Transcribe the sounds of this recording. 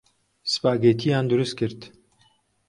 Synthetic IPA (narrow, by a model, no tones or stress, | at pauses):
sɨ̥paːɡeːt̪ʰijaːnd̪uɾɨst̪̚kʰɨɾt̪